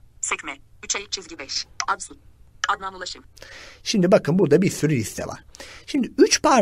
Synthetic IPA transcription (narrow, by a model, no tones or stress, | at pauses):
sɛcmɛyt͡ʃʰelʲc̚t͡ʃʰizɟibɛʃab̪su | kʰad̪nanulˠaʃɯmʃimd̪ibakɯmbuɾd̪abiɾsyɾylʲist̪ʰɛ̰va̰ɾ̥ʃimd̪iyt͡ʃpʰaɾ